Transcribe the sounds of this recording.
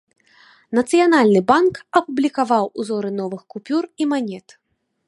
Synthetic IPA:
nɐt̪sɨjanalʲnɨbankɐpublʲikavawuzɔɾɨnɔvɨxkupʲurimanʲɛt̪

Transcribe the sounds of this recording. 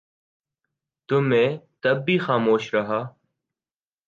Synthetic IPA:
t̪ʊmẽːt̪əbːiːxaːmoːʃɾəɦaː

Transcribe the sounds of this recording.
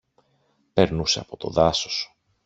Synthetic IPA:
pe̞ɾnuseɐpo̞t̪o̞̰ðɐso̥su̥

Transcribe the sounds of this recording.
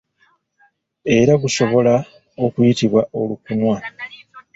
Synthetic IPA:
e̞ɾaɡuʃo̞βo̞la | o̞kujitiβwaʔo̞lukunwa

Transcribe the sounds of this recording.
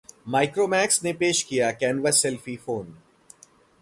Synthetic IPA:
maːɪkɾoːmɛːksnepeːʃkijakɛːnʋəsɛlfifoːn

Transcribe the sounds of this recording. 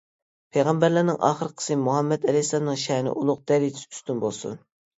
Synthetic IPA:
pʰejʁɑmbæɾlænɪŋʔɑ̰ːχəɾəqʰə̥sɨmuɦɛmːɛd̪ɛlɛsɑnːɨŋʃɛnɪ̰ʔulˠʊq̚d̪̥ɛɾit̪sy̥st̪ynbolˠsṵn

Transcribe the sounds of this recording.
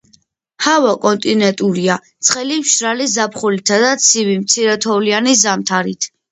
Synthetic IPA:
havakʼɔnt̪ʼinɛnt̪ʼuɾiat̪sʰχɛlimʃɾalizapʰχulit̪ʰad̪at̪sʰivimt̪sʰiɾɛt̪ʰɔvlianizamt̪ʰaɾit̪ʰ

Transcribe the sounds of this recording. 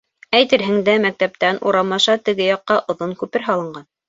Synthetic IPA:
æjt̪ɘ̆ɾɦɘ̆ŋd̪æmæk̚t̪æp̚t̪ænṵɾɑmɑʃɑt̪ɘ̆ɡɘjɑqːɑʔŏðoŋkʉpɘɾɦɑlˠɤ̆ɴɢɑn

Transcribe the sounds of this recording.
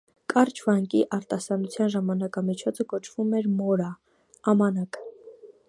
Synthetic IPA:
kʼɑɾt͡ʃʰvɑŋkiʔɑɾt̪ɑsɑnut͡sʰjɑnʒɑmɑnɑkɑmit͡ʃʰɔt͡sʰəkɔt͡ʃʰvumɛɾmɔɾɑː | mɑnɑkə

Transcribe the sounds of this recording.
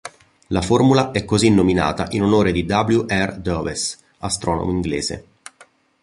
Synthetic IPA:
laformulaʔɛkːozinːomina̰ːt̪aʔinonoːɾed̪id̪abljuʔɛrd̪ɔves | ast̪ɾʔɔːno̰moiŋɡlḛːzḛ

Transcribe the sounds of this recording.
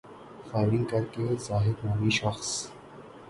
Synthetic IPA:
faːɪɾɪ̃ŋɡkɐɾkezaːɦɪd̪maːmiʃɐxs

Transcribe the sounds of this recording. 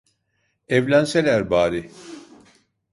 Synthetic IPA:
ɛvlʲænselʲæɾbaːɾi

